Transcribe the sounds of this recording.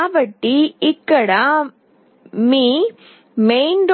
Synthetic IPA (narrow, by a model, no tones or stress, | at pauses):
bɐʈːiɪkːɐɽaː | miː | mejnɖ